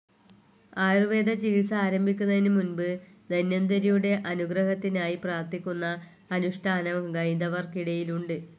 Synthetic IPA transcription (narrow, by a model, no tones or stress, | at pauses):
aːjrɨʋe̞ːd̪ɐt͡ɕiːisɐaːɾɐmbʱikʲːunːɐðinɨmunbɨd̪ɐnjɐnd̪ɐɾijuɽe̞ʔɐnuɡrɐɦɐt̪ːinaːjipraːrt̪ikʲːunːɐː | nuʂʈʰaːnɐmɡɐjnd̪ɐʋɐrkiɽɐjiluɳɖɨ